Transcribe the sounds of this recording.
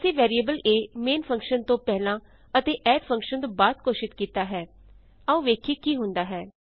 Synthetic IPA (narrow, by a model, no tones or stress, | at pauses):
siːʋɛːɾiəbəleːmeːnpʰə̃ŋkʃənt̪õːpɛːlãː | ət̪eːʔɛːɖpʰə̃ŋkʃənt̪õːbaːd̪̚koːʃɪt̪kiːt̪aːɦɛː | aũːʋeːkʰiːkiːɦʊ̃nd̪aːɦɛː